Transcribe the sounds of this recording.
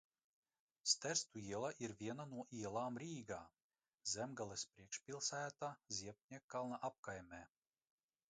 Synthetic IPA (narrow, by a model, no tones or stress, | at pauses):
st̪æɾst̪uiɛlˠaʔiɾvʲiɛnanuɔʔiɛlˠaːmɾiːɡaː | zʲɛmɡalˠɛspɾiɛkʃpʲilˠsæːt̪azʲiɛp̚nʲɛkːalˠnaʔap̚kajmʲɛː